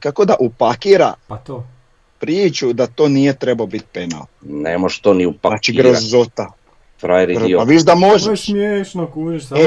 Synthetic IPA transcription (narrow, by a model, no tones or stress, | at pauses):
kako̞d̪aʔupakiːɾa̰pat̪o | pɾiːt͡ʃud̪at̪o̞ːnijet̪ɾebaobit̪̚pena̰lnonḛmoʒt̪oːniupanat͡ʃiɡɾozot̪a | fɾajɾipaʋiʃd̪amoʒesmjeʃnokuiʃ